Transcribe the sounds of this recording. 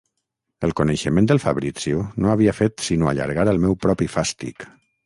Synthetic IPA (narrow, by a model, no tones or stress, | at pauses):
əlˠkunəʃəmẽnd̪əlˠfaβɾit͡siunoaβiafet̪sinoa̰ʎa̰ɾɣaɾəlˠmɛwpɾɔpifast̪ḭk